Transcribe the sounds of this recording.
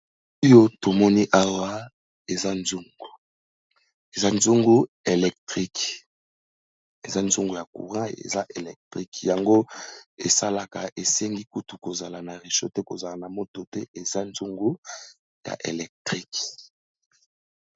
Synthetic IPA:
jo˦to˨mɔ˦ni˦ʔa˦wa˦ | e˨za˦nzu˦ŋɡu˨ | e˨za˦nzu˦ŋɡu˦ | e˨lɛ˨k̚tʁi˦k | e˨za˦nzu˦ŋɡu˨ja˨kṵ˨ʁã˦ḛ˨za˦ʔe˨lɛ˨k̚tʁi˦kja˨ŋɡo˦e˨sa˦la˨ka˨ʔe˨sɛ˦ŋɡi˦ku˦tu˨ko˨za˨la˨na˨ʁe˨ʃo˦tɛ˦ko˨za˨la˨na˨mo˦to˨tɛ˦ʔe˨za˦nzu˦ŋɡu˦ | ja̰˨ʔḛ˨lɛ˨k̚tʁi˦k

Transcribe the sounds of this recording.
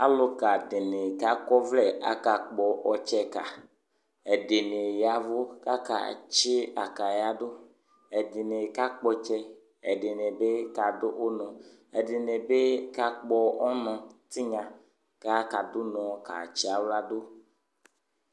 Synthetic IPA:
a˦lo˦ka˨de˨ne˨ka˨kɔ˦vlɛ˦a̰˦ka˨k͡pɔ˨ʔɔ˨t͡ʃɛ˦ka˨ | ɛ˨de˨ne˨ja˨vo˦ka˦ka̰˨t͡ʃe˦a˨ka˨ja˦do˦ | ɛ˨de˨ne˨ka˦k͡pɔ˦t͡ʃɛ˦ | ɛ˨de˨ne˨be˦ka˨do˦ʔo˦nɔ̃˨ | ɛ˨de˨ne˨be˦ka˦k͡pɔ˦ɔ˦nɔ̃˨t̪i˦ɲã˨ | ka˦ka˨do˦nɔ̃˨ka̰˨t͡ʃi˦a˨wla˦do˦

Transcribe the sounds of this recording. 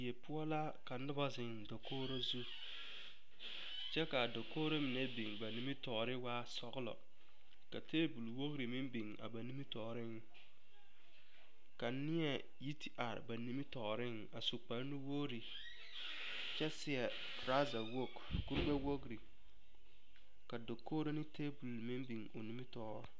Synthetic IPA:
je˨pʊ˦ɔ˦la˦ | ka˨nʊ˦ba˦zɪ˨ŋdo˨kʰoː˦ɾo˦zu˦ | t͡ʃɛ˦ka˨do˨koː˦ɾo˦mɪ˨ne˦bi˨ŋba˨ni˦mi˦tɔː˨ɾɪ˦waː˦sɔ˨ɣlɔ̰˨ | ka˨tʰeː˦bu˨lwo˦ɡɾi˨mɪ˦mbi˨ŋa̰˨ba˨ni˦mi˦tɔː˨ɾɪ˦ŋ˦ | ka˨nɪ˦ɛ˨ | ji˦tʰi˦ʔa˨ɾ̰ba˨ni˦mi˦tɔː˨ɾɪ˦ŋ˦a˨su˨k͡pa˨ɾnɪ˦wo˦ɾi˨ | t͡ʃɛ˦sɪ˨ɛ˨ | ɾa˦za˨wo˦k | ku˦ɾɡ͡ba˦wo˦ɡɾi˨ | ka˨do˨kʰːoː˦ɾo˦nɪ˦teː˦bu˨lmɪ̃˦mbi˨ŋo̰˨ni˦mi˦tɔː˦ɾɔ˦˨

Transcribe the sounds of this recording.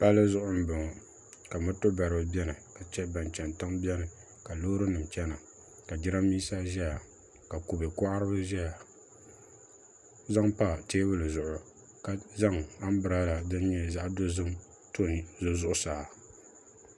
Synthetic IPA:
pa˦lːɨ˦zʊ˦ʔʊ˦m˦bɨ˨ŋ˨ | ka˨mɨ˦to˦ba˨ɾɨ˨bɨ˦bɛ˦nɨ˨ka˨t͡ʃɛ˦ba˨nt͡ʃɛ˨ntɨ˦ŋbʲɛ˦nɨ˨ | ka˨loː˦ɾɨ˦nɨ˨m˨t͡ʃɛ˦na˨ | ka˨d͡ʒɪ˦ɾa˦miː˦sa˦ʒɛ˦ja˨ | ka˨ku˨be˨kʊ˦ʔa˦ɾɨ˦bɨ˦ʒɛ˦a˨ | za˦ŋpa˦˨teː˦bɨ˦lɨ˨zʊ˨ʔʊ˨ | ka˨za˦ŋa˦m˦bɨ˨ɾa˦la˨dɨ˦n˦ɲɛ˦za˦ʔdo˦zɨ˦m | to˦zo˦zʊ˦ʔʊ˦saː˨

